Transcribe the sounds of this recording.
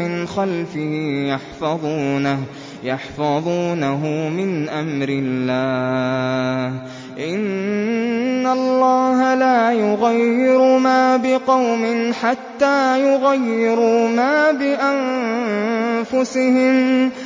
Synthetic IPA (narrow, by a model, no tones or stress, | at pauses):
ɪnxalfɪhijɑħfɑðˤuːna | jɑħfɑðˤuːnaɦʊmɪnʔamɾɪlːaː | ʔɪnː | alːɑːɦalaːjʊɣajːɪɾʊmaːbɪqɑwmɪnħat̪ːaːjʊɣajːɪɾumaːbɪʔan | fʊsɪɦɪm